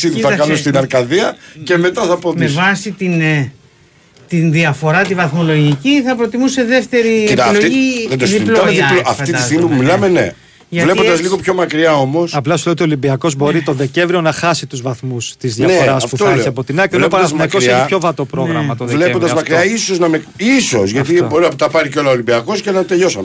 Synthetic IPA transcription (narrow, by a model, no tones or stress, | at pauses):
siðθɐkɐnost̪inɐɾkɐðiɐce̞me̞t̪ɐθɐpotmevɐsit̪in | t̪inðiɐfo̞ɾɐt̪ivɐθmo̞lo̞ʝiciθɐpɾot̪imuseðe̞ft̪e̞ɾiloiðed̪oðiloilɐfiisiɣmipumilɐmenḛ | ʝɐle̞pod̪ɐzliɣo̞pço̞mɐkɾiɐo̞mo̞sɐplɐsuleot̪iolimbiɐko̞zbo̞ɾit̪o̞nðeceɱvɾio̞nɐxɐsit̪uzvɐθmust̪izðjɐnfeoɾɐsɐfpuθtoɐieɐpo̞t̪inɐcelnopɐɾznɐkoeepço̞vɐt̪opɾo̞ɣɾɐmɐt̪oðeleond̪ɐzmɐkɾiɐiso̞znɐme | iso̞sʝɐt̪iboɾinɐpt̪ɐpɐɾiceo̞lɐolibiɐko̞scenɐt̪eʎo̞sɐn